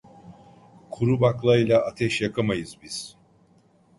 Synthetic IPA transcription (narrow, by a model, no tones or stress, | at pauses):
kʰuɾubaklˠaɯjlʲˠaʔat̪ʰɛʃjakʰamajɯzbiz̥